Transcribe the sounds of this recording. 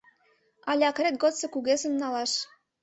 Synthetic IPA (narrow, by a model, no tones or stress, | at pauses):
ɑlʲɑkret̪̚ɡot̪sɤ̆kuɣesə̆nːɑlɑʃ